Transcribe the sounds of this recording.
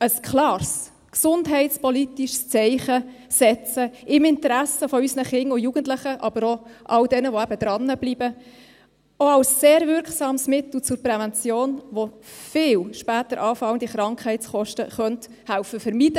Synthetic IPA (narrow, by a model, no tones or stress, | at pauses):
əskʰlɑːrs | ksʊndɦɛɪtt͡spɔlit̪iʃst͡sɛɪχə | sɛt͡səɪmɪntəɾæsəfɔysnəχɪŋːʊjuɡ̥ənt̪lɪχəʔɑbəɾoʔɑwdɛnəʋoæbəd̥̪ɾɑnːəb̥lib̥ə | oɑwsseːɾvʏɾkχsɑːmsmɪt̪l̩t͡sʊɾprɛvɛnt͡sjoːnʋofɪːlʃpæːtəɾʔɑːfɑwnd̥̪iχɾɑŋkχɛɪtt͡sχɔʃtə̰χœnt | hæwfəfəɾmid̥ə